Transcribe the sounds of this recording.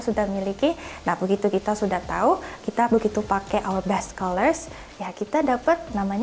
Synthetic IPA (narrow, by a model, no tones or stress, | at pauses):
sudahmilikinahbəɡit̪ukit̪asudaht̪a̰ukit̪abəɡit̪upakeʔawərbɛst̪kalərs | jakit̪adapət̪̚namaɲ